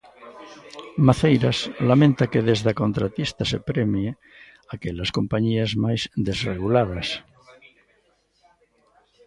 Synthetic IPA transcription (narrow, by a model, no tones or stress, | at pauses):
maθejɾaslamẽnt̪akeðezðakont̪ɾat̪ist̪asepɾemje | akelaskompaɲiazmajzd̪ezreɣulaðas